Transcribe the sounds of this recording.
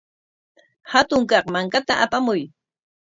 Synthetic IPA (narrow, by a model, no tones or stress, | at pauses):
hat̪ʊŋkɑqmaŋkat̪aʔapamʊj